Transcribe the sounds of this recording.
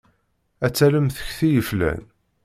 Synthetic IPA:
æt͡sːæləmθə̥çθijəflæ̰n

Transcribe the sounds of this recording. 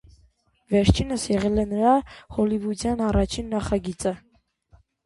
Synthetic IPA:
vɛɾt͡ʃʰinəsjɛʁɛlɛnəɾɑhɔlivut͡sjɑnɑrɑt͡ʃʰinːɑχɑɡit͡sə

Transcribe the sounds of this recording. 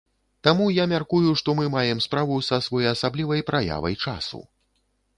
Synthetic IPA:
t̪amujamʲarkujuʂt̪ɔmɨmajɛmspɾavusɐsvɔjjɐsablʲivɐjpɾʔaja̰vɐ̰jt͡ʂa̰sṵ

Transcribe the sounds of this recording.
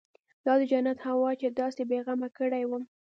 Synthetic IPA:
d̪̥ɑd̪əd͡ʒanat̪hawɑt͡ʃed̪ɑsebeɣamakəɽajwəm

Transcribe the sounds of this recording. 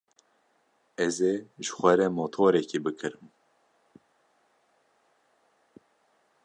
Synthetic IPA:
ɛzeʒɨ̥xʷɛɾɛmoːt̪ʰoːɾɛkibɨkʰɨɾɨm

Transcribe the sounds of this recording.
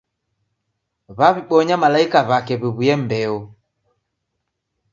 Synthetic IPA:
βaβiɓɔɲamalaikaβakɛβiβujɛm̩bɛɔ

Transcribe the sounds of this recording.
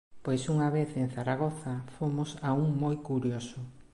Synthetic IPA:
pojsuŋaβeθeŋ̟θaɾaɣ̞oθafomʊsauŋmojkuɾjosʊ

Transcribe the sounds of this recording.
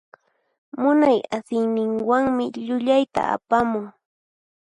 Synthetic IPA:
mʊnajasɪjnɪŋwaŋmɪʎʊʎajt̪a̰a̰pamʊŋ

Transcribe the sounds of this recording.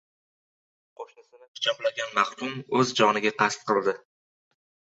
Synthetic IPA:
qʰoʃnɪsɪnɪhʊ̥t͡ʃʰɒplaɡʲanmaχlʊmɵzd͡ʒɒnɪɡʲaqʰɑst̪̚qʰɨlˠd̪ɪ

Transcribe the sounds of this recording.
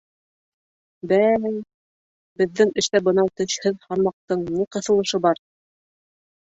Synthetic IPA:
bæj | bbɘ̆ðːɘŋɘ̆ʃt̪æbɤ̆nɑt̪ɵ̆ʃhɘðhɑɾmɑq̚t̪ɤɴniqɤ̆θɤ̆lˠɤ̆ʃɤbɑɾ

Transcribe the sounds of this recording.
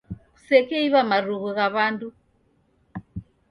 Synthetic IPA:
ku̥sɛkɛiβamaruɣuɣaβandu

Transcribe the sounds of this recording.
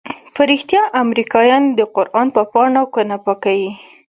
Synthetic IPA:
pəɾixt̪jɑʔamɾikɑjɑnd̪əqʊɾʔɑnpəpɑɳakənapakawi

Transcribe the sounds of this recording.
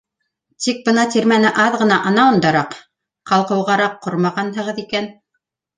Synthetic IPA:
t̪ik̚bɤnɑt̪iɾmænɘʔɑðʁɤ̆nɑʔɤ̆nɑɤ̆nd̪ɑɾɑq | qɑlˠqɤ̆wʁɑɾɑqːoɾmɑʁɑnɦɤ̆ʁɤðikæn

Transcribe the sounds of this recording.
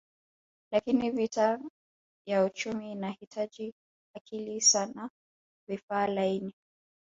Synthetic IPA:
lakinivita | jaut͡ʃumiːnahitʰad͡ʒi | akilisana | vifaːlaini

